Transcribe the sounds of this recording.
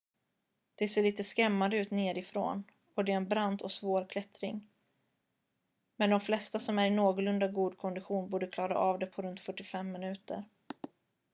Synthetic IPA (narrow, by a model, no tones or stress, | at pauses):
d̪̥ɛseːɭiːt̪əskɾɛmːand̪əʉ̟ːt̪neːɾɪfɾo̰ːn | ɔd̪ɛɾɛnbɾand̪ɔsvoːɾkʰlɛt̪ɾɪŋ | mɛnd̪ɔmflɛst̪asɔmæɾɪnoːɡɔlɵnd̪aɡuːd̪̚kʰɔnd̪ɪɧuːnbuːɖəkʰlɑːɾa̰ʔavd̪ɛpʰɔɾɵnt̪fœʈːɪfɛmːɪnʉ̟ːt̪ə̰ɾ